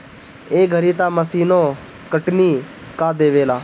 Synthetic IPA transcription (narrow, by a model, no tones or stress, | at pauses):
eːɡʱəɾiːt̪aːməsiːnõː | kəʈniː | kaːd̪eːʋeːlaː